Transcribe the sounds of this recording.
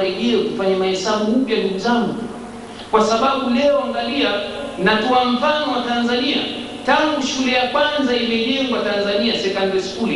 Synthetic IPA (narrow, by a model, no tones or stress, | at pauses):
ɾɛʄɛakufaɲamahɛsaɓupjanduɡuzaŋɡu | kwasaɓaɓulɛɔaŋɡalianatɔam̩fanɔwatanzania | taŋɡuʃulɛjakwanzaimɛʄɛŋɡwatanzaniasɛkandɛskuli